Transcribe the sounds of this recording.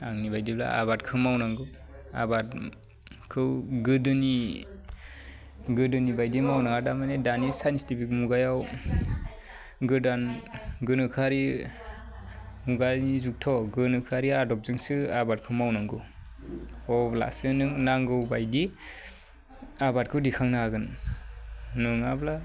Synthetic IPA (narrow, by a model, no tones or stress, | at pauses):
aŋnibajdibla̰a̰batkʰɯmawnaŋɡɯ | a̰bat̚ | kʰɯwɡɯdɯni | ɡɯdɯnibajdimawnaŋadamanedanisajnsi̥tipʰik̚muɡajaw | ɡɯdanɡɯnɯkʰaɾi | muɡalnizuk̚tʰɔɡɯnɯkʰaɾiadɔp̚zɯŋsɯabat̚kʰɯmawnaŋɡɯ | ɔbla̰sɯnɯŋnaŋɡɯwbajdi | abat̚kʰɯwdikʰaŋnaaɡɯnː | ɯŋabla